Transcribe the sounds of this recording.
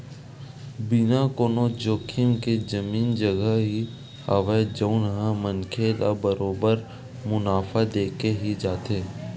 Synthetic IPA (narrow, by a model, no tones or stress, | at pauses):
bɪnakoːnod͡ʒoːkʰɪmked͡ʒɐmiːnd͡ʒəɡəɦɦi | həʋəd͡ʒəʊnɦãmənkʰela̰bəɾoːbəɾ | mʊnaːfad̪eːkeɦid͡ʒaːt̪eː